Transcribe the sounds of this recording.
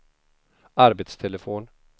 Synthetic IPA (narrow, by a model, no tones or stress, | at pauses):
aɾbet̪st̪ʰɛləfoːn